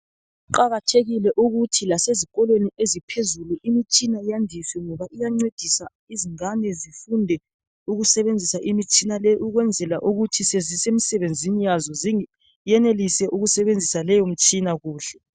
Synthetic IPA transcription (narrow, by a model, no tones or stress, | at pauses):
uǃaɣatʰeɣilɛʔuɣutʰilasezikʼɔlweniʔezipʰezuluʔimit͡ʃʼinajandʱiswɛŋɔβaʔijaŋ͡ǀwed̥ʱisa | iziŋanɛzifundʱɛ | uɣusɛβend͡zʱisaʔimit͡ʃʼinalɛʔuɣwɛnd͡zʱɛlaʔuɣutʰisezisem̩sɛβend͡zʱinijazɔzi | jɛnelisɛʔuɣusɛβend͡zʱisalɛjom̩t͡ʃʼinaɣuːɬɛ